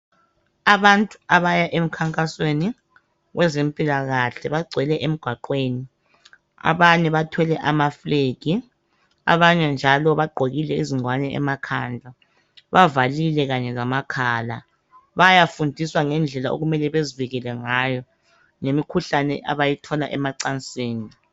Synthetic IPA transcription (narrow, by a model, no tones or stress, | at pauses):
aβantʼuaβajaʔem̩kʰaŋkʼasweni | ɣwʔɛzempʼilaɣaɬɛβaɡ͡ǀʱwɛlɛʔem̩ɡ̥ʱwaǃweːni | a̰βaɲɛβatʰɛlɛʔamafleːɡ̥ʱi | a̰βaɲɛnd͡ʒʱalɔβaɡ͡ǃʱoɣilɛiziŋwanɛɛ̰makʰand͡ɮʱa | βavalilɛɣaɲɛzamakʰaːla | βajafundʱiswaŋɛnd͡ɮʱɛlaʔo̰ɣumɛlɛβeziviɣɛlɛŋaːjɔ | ŋemikʰuɬanɛ̰ʔaβajitʰɔlaʔɛmaǀant͡sʼeːni